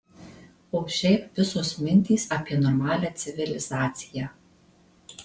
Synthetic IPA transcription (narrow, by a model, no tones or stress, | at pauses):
oːʃʲɛɪpʋʲɪsosmʲɪnʲt̪ʲiːˑsɐpʲiɛnɔɾmɑːlʲæːt̪sʲɪʋʲɪlʲɪzɑːt̪sʲɪjæː